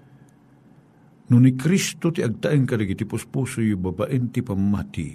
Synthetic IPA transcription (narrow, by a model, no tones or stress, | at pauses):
nʊnikɾist̪ot̪iaɡ̚t̪aʔiŋkadaɡit̪ipʊspusʊjubabaʔint̪ipamːa̰t̪ḭ